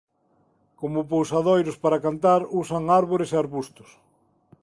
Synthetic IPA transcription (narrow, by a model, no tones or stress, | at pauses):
komʊpowsaðojɾʊspaɾakant̪aɾusaŋaɾβoɾeseaɾβust̪ʊ̥s